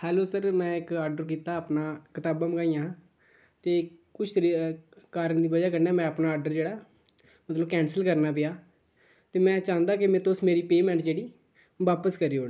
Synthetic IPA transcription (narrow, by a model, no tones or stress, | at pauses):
hɛːloːsəɾmɛ̃ːɪkaːɾɖəɾkiːt̪aːəpnaːkɪt̪aːbãːməɡaːijãː | t̪eːkʊt͡ʃʰt̪eɾikaːɾəɳd̪iːʋəd͡ʒaːkəɾnaːmɛ̃ːəpnaːɔːɖəɾd͡ʒeːɽaː | mət̪ləbkɛ̃ːnsəlkəɾnaːpejaː | t̪eːmɛ̃ːt͡ʃãːnd̪aːkɪmɛ̃ːt̪osmeːɾiːpeːmɛ̃ːɳʈd͡ʒeːɽiː | ʋaːpəskəɾiːɦoː